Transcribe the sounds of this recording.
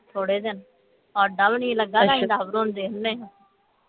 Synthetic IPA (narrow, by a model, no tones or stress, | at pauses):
t̪ʰoːɽeːd̪ɪn | ɔːɾɖəlnĩːləɡːaːd̪aːĩd̪aːbɾuːnd̪eːẽːɦ